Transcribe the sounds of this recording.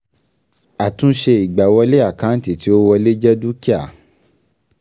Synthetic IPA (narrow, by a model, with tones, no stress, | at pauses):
a˨tũ˦ʃe˧i˨ɡ͡ba˨wɔ˧le˦a˦˨kã˨˦n̩˦ti˨ti˨˦o˦wɔ˧le˦d͡ʒɛ˦du˦ki˦a˨